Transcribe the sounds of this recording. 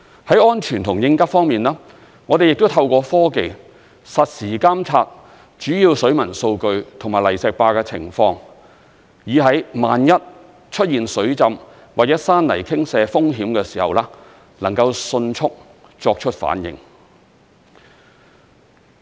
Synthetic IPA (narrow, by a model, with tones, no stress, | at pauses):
hɐ˨˥jɔː˥nt͡ʃʰyː˨nt̪ʰʊ˨˩ŋjɪ˧ŋkɐ˥fɔː˥ŋmiː˨nlaː˥ | ŋɔː˨˧d̪e˨jɪ˨k̚t̪o˥wt̪ʰɐ˧wkʷɔː˧fɔː˥ke˧j | sɐ˨t̚siː˨˩kaː˥mt͡sʰaː˧t̚ | t͡ʃyː˨˥jiː˧wsɵ˨˥ɥmɐ˨˩nso˧wkɵ˧ɥt̪ʰʊ˨˩ŋmaː˨˩lɐ˨˩jsɛː˨˧k̚paː˧kɛː˧t͡sʰɪ̰˨˩ŋfɔː˧ŋ | jiː˨˧ɦɐ˨˥jmaː˨njɐ˥t̚ | t͡ʃʰɵ˥t̚jiː˨nsɵ˨˥ɥt͡sɐ˧m | waː˨k̚jɐː˦˥saː˥nlɐ̰˨˩jkʰɪ˥ŋsɛː˨˧fʊ˥ŋɦiː˨˥mkɛː˧siː˨˩hɐ̰˨wlɛː˥ | lɐ˨˩ŋkɐ˧wsɵ˧nt͡ʃʰʊ˥k̚ | t͡ʃɔː˧k̚t͡ʃʰɵ˥t̚fa̰ː˨˥njɪ̰˨˧ŋ